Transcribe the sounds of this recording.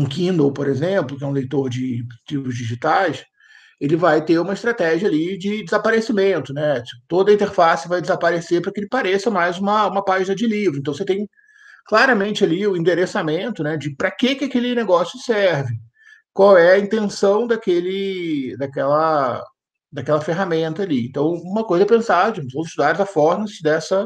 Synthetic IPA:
ũkĩnd̪owpoɾezẽplʊkɪɛũlejt̪oɾd͡ʒɪt͡ʃivʊzd͡ʒiʒit̪ajs | elɪvajt̪eɾũmɐɪst̪ɾat̪ɛʒiɐalid͡ʒɪd͡ʒɪzapaɾesimẽnt̪ʊnɛt͡ʃi̥ʊt̪od̪ɐĩnt̪eɾfasɪvajd͡ʒɪzapaɾesepɾɐkɪelɪpaɾesɐmajzũmɐũmɐpaʒinɐd͡ʒɪlivɾʊẽnt̪w̃s̬et̪ẽj̃ | klaɾɐmẽnt͡ʃɪaliʊĩnd̪eɾesamẽnt̪ʊnɛd͡ʒɪpɾɐkekɪakelɪneɡɔsjʊsɛɾvɪ | kwawɛɐĩnt̪ẽsɐ̃w̃d̪ɐkelɪd̪akɛlɐ | d̪ɐkɛlɐfeɦamẽnt̪ɐaːliẽnt̪ɐ̃w̃ũmɐkojzɐɛpẽsad͡ʒɪvɐ̃w̃zɪʃt̪ud̪aɾzafɔɾnɐ̃sɪd̪ɛsɐ

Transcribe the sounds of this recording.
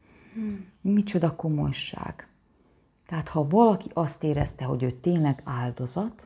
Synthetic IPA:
mit͡ʃo̞d̪ɒko̞mo̞̰jʃa̰ːɡ̥ | t̪ɛɦaːt̪hɒvɒlɒkiʔɒst̪eːɾɛ̰st̪ɛɦo̞ɟøːt̪eːɲlɛɡaːld̪o̞zɒt̪

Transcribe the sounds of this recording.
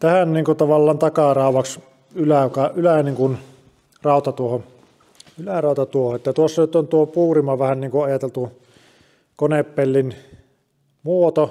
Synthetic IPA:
t̪æhænniːŋkut̪ɑʋɑlːɑːnt̪ɑkɑrɑˑoʋɑks | ylækɑʔylæniːŋkun | rɑˑot̪ɑt̪uoho | ylærɑˑot̪ɑt̪uohoet̪ːæt̪uosːɑnyt̪ont̪uopuːrimɑʋæhænniːŋkuɑjɑt̪elt̪u | koneppelːin | muot̪o

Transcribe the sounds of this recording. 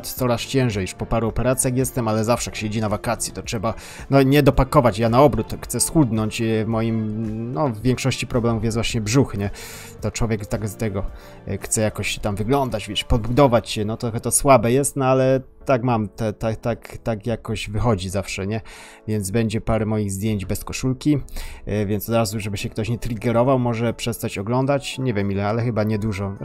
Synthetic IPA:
t̪t̪sɔɾast͡ɕɛ̃w̃ʐɛjiʂpɔpaɾuɔpɛɾat̪sʲjaxjɛst̪ɛmalɛzafʂɛjakɕed͡ʑinavakat̪sʲjɛ̥t̪ɔtʂɛba | nɔɲɛd̪ɔpakɔvat͡ɕjanaɔbɾut̪xt̪sɛsxud̪nɔɲt͡ɕjɛvmɔjimnɔvːjɛŋkʂɔɕt͡ɕipɾɔblɛmufjɛszvwaɕɲɛbʐuxɲɛ | t̪ɔt͡ʂwɔvʲjɛkt̪aɡst̪ɛɡɔ | xt̪sɛjakɔɕt̪amvɘɡlɔnd̪ad͡ʑvʲjɛt͡ɕpɔd̪̚bud̪ɔvat͡ɕɕɛnɔt̪ɾɔxɛt̪ɔswabɛjɛst̪nɔalɛ | t̪akmamt̪ɛt̪at̪akt̪akjakɔʑvɘxɔd͡ʑizafʂɛɲɛ | vʲjɛnd̪zbɛɲd͡ʑɛpaɾɛmɔjiɣzd̪ʲjeɲd͡ʑbɛskɔʂulkʲivʲjɛntsɔd̪ɾazuʐɛbɘɕɛkt̪ɔɕɲɛt̪ɾʲiɡɛɾɔvawmɔʐɛpʂɛst̪at͡ɕɔɡlɔnd̪at͡ɕɲɛvʲjɛmilɛalɛxɘbaɲɛd̪uʐɔ

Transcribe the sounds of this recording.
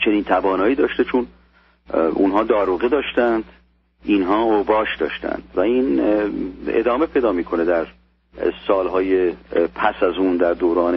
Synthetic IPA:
t͡ʃʰe̞niːnt̪ʰæbɒːnɒːiːd̪ɒːʃt̪et͡ʃʰun | ʔṵnɦɒːd̪ɒːɾuːɣed̪ɒːʃt̪ænd̪ | inɦɒːobɒːʃd̪ɒ̰ːʃt̪æ̰nd̪̥væiːn | ḛd̪ɒːme̞pʰe̞jd̪ɒːmiːkʰo̞ned̪æɾ | sɒːlɦɒːjepʰæsæzund̪æɾd̪oːɾɒːne

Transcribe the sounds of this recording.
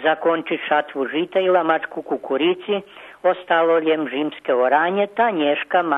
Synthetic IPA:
zakont͡ʃiʃat̪ʋuʒit̪ailˠamat͡ʃkukukuɾit̪siost̪alolemʒimskeoɾaːɲet̪aɲeʃkam

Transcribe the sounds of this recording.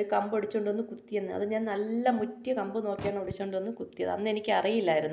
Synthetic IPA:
ɾukɐmbeɽit͡ɕːoːɳɖonːɨkut̪ːijɐnːɨɐ̰ðɨɲaːnnɐlːɐmutːijɐkɐmbɨno̞ːkːijeːɳɐmoɽit͡ɕːoːɳɖonːɨkut̪ːijɐ̰ðɨɐ̰nːɨe̞nikʲːɨɐrijilːaːjiɾunː

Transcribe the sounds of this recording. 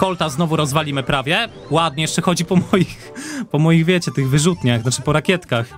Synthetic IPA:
kɔlt̪aznɔvuɾɔzvalʲimɘpɾavʲjɛ | wad̪̚ɲɛjɛʂt͡ʂɛxɔd͡ʑipɔmɔjix | pɔmɔjiɣvʲjɛt͡ɕɛt̪ɘɣvɘʐut̪ɲaxnat͡ʂɘpɔɾakʲjɛt̪kax

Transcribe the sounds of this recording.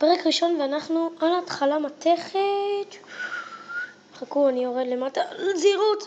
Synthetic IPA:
peʁekʁiʃo̞nveanaχnualatχalamate̞χet̪ | χakuanio̞ʁed̪le̞matalziʁut

